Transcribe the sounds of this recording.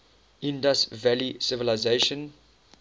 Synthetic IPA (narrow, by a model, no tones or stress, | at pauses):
ĩndastvælisɪvəlaɪzeʃə̃n